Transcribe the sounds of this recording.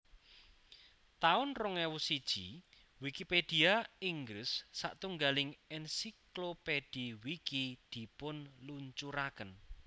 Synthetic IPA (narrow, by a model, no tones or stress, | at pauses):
t̪aʊnrʊŋɛwusid̥ʒ̥i | wikiped̥iaiŋɡɾɪsːa̰ʔt̪uŋɡalɪŋɛnsikloped̥iwikid̪̥i̤pʊnluɲt͡ʃuɾakən